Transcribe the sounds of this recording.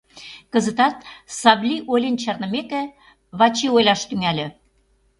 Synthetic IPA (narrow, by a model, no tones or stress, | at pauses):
kə̆zə̆t̪ɑt̪̚sɑβlʲiʔolʲent͡ɕɑrnə̆mekĕ | βɑt͡ɕiojlʲɑʃt̪yŋælʲĕ